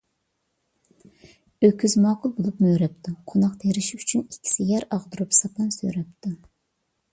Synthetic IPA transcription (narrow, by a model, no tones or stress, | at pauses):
økʲʰːyzmɑːqʰʊlˠbolˠupmøːɾɛp̚t̪ʰuqʰonɑqt̪ʰeɾɪʃyt͡ʃʰynikʲʰːi̥sɪjɛɾɑʁd̪uɾupsɑpʰɛnsø̰ɾɛp̚t̪ʰu